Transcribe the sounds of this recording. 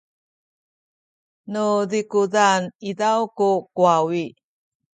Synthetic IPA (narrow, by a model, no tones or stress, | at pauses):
nudikudanidawkukuawi